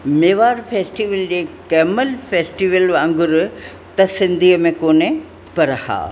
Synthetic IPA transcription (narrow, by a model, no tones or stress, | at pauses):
meːʋaːɾfʰeːsʈiʋəld͡ʑeːkɛːməlfeːsʈiːʋəlʋãŋɡʊɾ | t̪ɐsɪ̃nd̪ʱiːəmẽkoːne | pɐɾha̰ː